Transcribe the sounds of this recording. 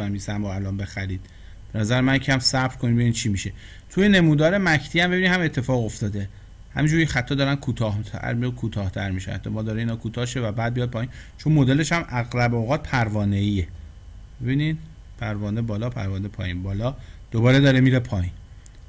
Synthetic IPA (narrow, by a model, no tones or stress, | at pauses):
æmisæmbɔælɒːmbe̞xæɾiːd̪̥ | b̥e̞næzæɾemæncʰæmsæbbɾkʰonid̪beinit͡ʃʰiːmiʃe̞ | t̪ʰuje̞ne̞muːd̪ɒːɾe̞mæcʰt̪ʰiæmbe̞binid̪hæmet̪ʰːe̞fɒːɣo̞ft̪ɒːd̪e̞ | hæ̰miːnd͡ʒuːɾjixæt̪ʰːɒːd̪ɒːɾænkʰuːt̪ʰɒːh̪ʰæ̰ɾmijkʰut̪ʰɒːht̪ʰæ̰ɾmiʃeæ̰t̪ʰːɒmɒːd̪ɒːɾeinɒːkʰuːt̪ʰɒːhʃevæbæːd̪̚mijɒːd̪̚pʰɒːiːnt͡ʃʰo̞nmo̞d̪e̞le̞ʃæmʔæɣlæboɣɒːt̪̚pʰæɾvɒːneie | be̞biːnid̪̥ | pʰæɾvɒːnebɒːlɒːpʰæ̰ɾvɒːnepʰɒ̰ːjiːnbɒːlɒːd̪̥obɒːɾe̞d̪ɒːɾemiːɾepʰɒːjiːn